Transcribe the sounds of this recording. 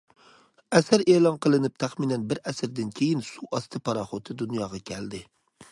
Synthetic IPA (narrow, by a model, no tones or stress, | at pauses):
æsæɾeːlˠɑnqʰəlˠɨnɪp̚t̪ʰæχminænbɪɾæsɪɾd̪ɪnkʲʰejɪnsuʔɑst̪ʰɪpʰɑɾɑχot̪ʰɪd̪unjɑʁɑkʲʰæld̪ɪ